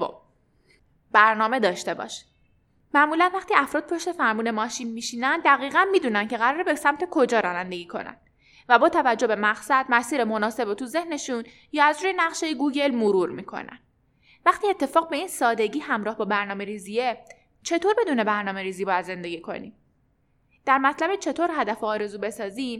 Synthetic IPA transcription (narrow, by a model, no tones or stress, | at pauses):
o̰ | b̥æɾnɒːme̞d̪ɒːʃt̪e̞bɒ̰ːʃ | mæʔmuːlænvæχt̪iːæfɾɒːd̪̚pʰo̞ʃt̪e̞fæɾmuːne̞mɒːʃinmiːʃiːnænd̪æɣiːɣænmiːd̪uːnænce̞ɣæɾɒːɾebesæmt̪ʰe̞kʰo̞d͡ʒɒːɾɒːnænd̪e̞ɡiːkʰo̞̰næ̰n | væbɒːt̪ʰævæd͡ʒːobe̞mæɣsæd̪̚mæsiːɾemonɒːse̞bot̪ʰuze̞hne̞ʃun | jɒːæzɾuːjenæʁʃejeɡuːɟe̞lmoɾuːɾmiːkʰo̞̰næ̰n | væχt̪iːe̞t̪ʰːe̞fɒːɣ̚be̞iːnsɒːd̪e̞ɟiːɦæmɾɒːhbɒːbæɾnɒːme̞ɾiːzie | t͡ʃʰe̞t̪ʰoːɾbe̞d̪uːne̞bæɾnɒːme̞ɾiːziːbɒːjæd̪ze̞nd̪e̞ɡiːkʰo̞̰nḭm | d̪̥æɾmæt̪ʰlæbet͡ʃʰe̞t̪ʰoɾɦæd̪æfoːɾe̞zuːbe̞sɒːziːm